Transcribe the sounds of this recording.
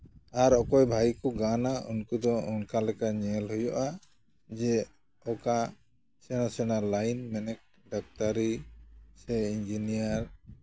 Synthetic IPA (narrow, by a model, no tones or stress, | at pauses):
aɾɔkɔjbʱajkɔɡanaʔunkud̪ɔunkalɛkaɲɛlhujɔʔa | d͡ʒɛ | ɔka | sɛnasɛnalajnmɛnɛk̚ | ɖak̚taɾisɛind͡ʒinijaɾ